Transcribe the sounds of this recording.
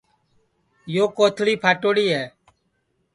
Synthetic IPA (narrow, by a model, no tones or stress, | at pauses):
joːkoːt̪ʰɽiːpʰaːʈoːɽiːɦɛː